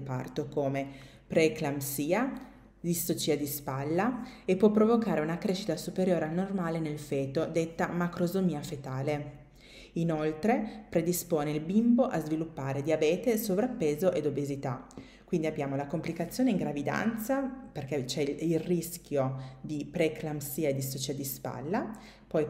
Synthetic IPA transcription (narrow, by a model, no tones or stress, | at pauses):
pa̰rt̪okoːme | pɾeklamsiːa | d̪ist̪ot͡ʃiːad̪ispalːaepːwɔpːɾovokaːɾeunakɾeʃːit̪asupeɾjoːɾeanːormaːlenelfeːt̪od̪et̪ːamakɾozomiːafet̪aːle | inolt̪ɾepɾed̪ispoːneilbimboʔazvilupːaːɾed̪iabɛːt̪esovɾapːeːzoʔed̪obezit̪a | kwind̪iabːjaːmolakomplikat̪sːjoːneiŋɡɾavid̪a̰nt̪saperket͡ʃɛilriskʲjod̪ipɾeklamsiːaed̪ːist̪ot͡ʃiːad̪ispa̰lːa | pɔj